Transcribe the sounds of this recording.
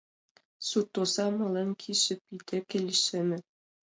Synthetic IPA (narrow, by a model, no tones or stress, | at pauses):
sut̪ːosɑmɑlenkʰiʃɘ̆p̚id̪ʲɘ̆kʲĕlʲɘʃɘ̆mʲɘ̆